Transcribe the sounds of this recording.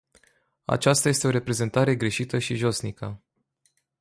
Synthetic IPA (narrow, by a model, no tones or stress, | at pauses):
a̰t͡ʃast̪aje̞st̪e̞o̞ɾe̞pɾe̞ze̞nt̪aɾe̞ɡɾe̞ʃit̪əʃiʒo̞snikʰə